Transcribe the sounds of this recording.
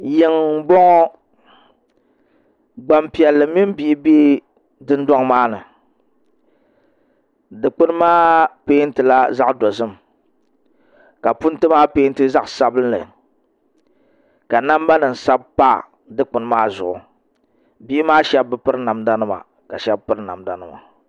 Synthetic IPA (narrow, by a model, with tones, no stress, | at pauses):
jɪ˦ŋbɔ˦ŋɔ˦ | ɡ͡ba˨mpi˨ɛ˨lːɨ˨mi˦m˦bi˦ʔɪ˦beː˦ | dɨ˦ndɔ˦ŋmaː˦nɨ˨ | dɨ˨k͡pʊ˦n˦maː˦peː˦n̩˦tɨ˨la˦za˦ʔdɔ˨zɨ˦m | ka˨pʊ˦n˦tɨ˦maː˦peː˦n˦tɨ˦za˦ʔsa˨bɨ˦n˦lɨ̰˨ | ka˨na˦m˦ba˦nɨ˨n̩˨sa˦b̚pa̰˦˨ | dɨ˦k͡pʊ˨nɨ˦maː˦zʊ̰˨ʔʊ˨ | bi˦ʔɪ˦maː˦ʃɛ˦b̚ːɨ˦pɨ˦ɾna˨mda˦nɨ˦ma̰˨ | ka˨ʃɛ˦b̚pɨ˦ɾna̰˨mda˦nɨ˦ma̰˨